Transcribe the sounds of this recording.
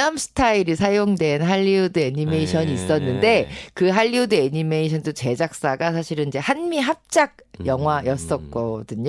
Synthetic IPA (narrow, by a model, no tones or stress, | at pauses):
amsʰɯ̥tʰaiɾisʰajoŋdwe̞nɦaʎːiudɯeɲime̞iɕʰʌɲiːs͈ʌnːɯnde̞kɯɦaʎːiudɯeɲime̞iɕ̬ʰʌndot͡ɕe̞d͡ʑak̚s͈aɡas̬ʰaɕʰiɾɯnid͡ʑe̞hanmiɦap̚t͡ɕ͈aɡ̚jʌŋɦwajʌs͈ʌk͈ʌdɯɲo